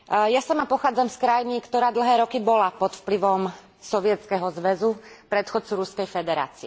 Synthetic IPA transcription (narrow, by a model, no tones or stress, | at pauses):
jasamapɔxaːd͡zamskɾajinikt̪ɔɾaːd̪l̩ɦɛːɾɔkibɔlapɔt̪fpliʋɔm | sɔʋɪɛt̪t͡skɛɦɔzʋɛzupɾɛt̪xɔt͡suɾuskɛjfɛd̪ɛɾa̰ːt͡siɛ